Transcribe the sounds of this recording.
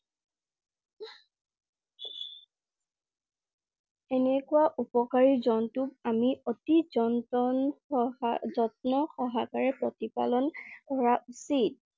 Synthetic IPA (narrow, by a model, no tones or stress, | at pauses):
ɛnɛkuwaʔupɔkaɹizɔntʊk̚amiʔotizɔntn | zɔtnɔxɔɦakaɹɛpɹɔtipa̰lɔnɡɔɹausit̚